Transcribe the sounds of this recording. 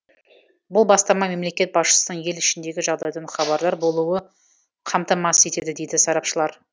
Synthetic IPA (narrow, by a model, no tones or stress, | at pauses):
bʊlˠbɑst̪ɑmɑme̞mle̞kʲe̞t̪̚bɑsʃə̥sənəɴje̞lɪʃɪnd̪e̞ɡʲɪʒɑʁd̪ɑjd̪əɴχɑβɑɾd̪ˠɑɾbo̞lˠuwə | qʰɑmt̪ɑmɑse̞t̪e̞d̪ɪd̪e̞jd̪ɪsɑɾɑpʃəlˠɑɾ